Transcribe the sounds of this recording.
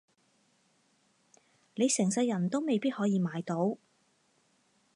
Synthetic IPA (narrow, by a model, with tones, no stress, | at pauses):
ne˨˧jsɪ˨˩ŋsɐ˨t̚jɐ˨˩nt̪o˥wme˨jpiː˥t̚hɔː˨˥jiː˨˧maː˨˧jt̪o˨˥w